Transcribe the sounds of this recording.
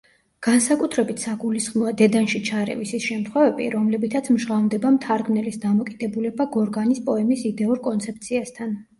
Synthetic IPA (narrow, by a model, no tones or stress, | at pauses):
ɡ̥ansakʼut̪ʰɾɛbit̪ʰsaɡulisχmɔad̪ɛd̪anʃit͡ʃʰaɾɛ̰visisʃɛmt̪ʰχwɛvɛbḭɾɔmlɛbit̪ʰat̪sʰmʒʁavnd̪ɛbamt̪ʰaɾɡmnɛlisd̪amɔkʼid̪̥ɛbulɛbaɡɔɾɡanispʼɔɛmisid̪ɛuɾkʼɔnt̪sʰɛp̚t̪sʰiast̪ʰan